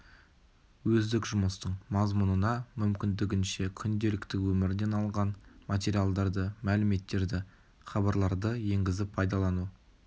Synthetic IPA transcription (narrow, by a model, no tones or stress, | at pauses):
wɵzd̪ɪkʒʊməst̪əɴmɑzmʊnənɑmʏmkʲɪnd̪ɪɡʲɪnʃe̞kʲʰʏnd̪e̞lɪkt̪ɪwɵmɪɾd̪e̞nɑlˠʁɑnmat̪̬ʲe̞ɾijalˠd̪ɑɾd̪əmælɪme̞t̪ːe̞ɾd̪ɪ | χɑbɑɾlˠɑɾd̪əje̞ŋɡʲɪzɪpʰːɑjd̪ɑlˠɑnu